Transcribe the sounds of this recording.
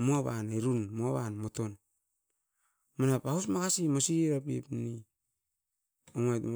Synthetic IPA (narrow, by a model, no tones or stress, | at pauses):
moaβanaɾunmoaβanmoton | manapausmakasimosiɾapḭpni | oŋajtm